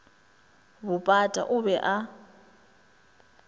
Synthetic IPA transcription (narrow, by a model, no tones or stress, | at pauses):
bʊpʼatʼa̰ʔʊbɛʔa